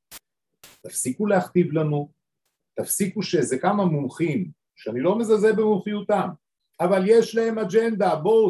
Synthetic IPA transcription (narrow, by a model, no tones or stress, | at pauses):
t̪afsikulehaχt̪ivlanu | t̪afsikuʃe̞zekamamumχim | ʃeanilo̞mezazebemumχijut̪am | avalje̞ʃlahe̞mad͡ʒend̪abo